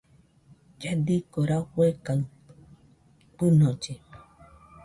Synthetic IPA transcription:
d͡ʒad̪ikoɾahʷekaw | k͡pɨnõt͡ʃe

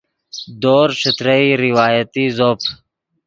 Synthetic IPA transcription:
d̪oːɾʃʊt̪ɾəiːɾɪwaːjət̪iːzoːpʰ

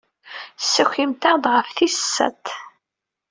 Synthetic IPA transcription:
sːəçimt̪æd̪ʁəfθisːæ̰t̪

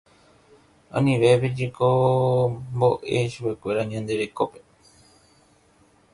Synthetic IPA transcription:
õ̰nĩʋe̞ped͡ʒeko | mbo̞ʔe̞̰ʃupe̞kʷe̞ɾaɲãnd̪e̞ɾe̞kope̥

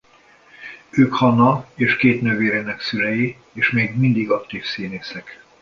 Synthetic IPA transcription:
øːkhɒnɒeːʃkeːt̪nøveːɾeːnɛksylɛji | eːʃmeːɡmind̪iɡɒkt̪iːfsiːneːsɛk

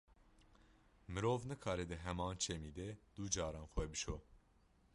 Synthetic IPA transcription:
mɨɾoːvnɨkʰɑːɾɛd̪ɨɦɛmɑːnt͡ʃʰɛmiːd̪ɛd̪̥ud͡ʒɑːɾɑːnxwɛbɨʃoː

